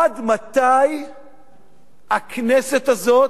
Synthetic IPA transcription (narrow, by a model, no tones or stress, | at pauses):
ad̪mat̪aj | akneset̪azo̞t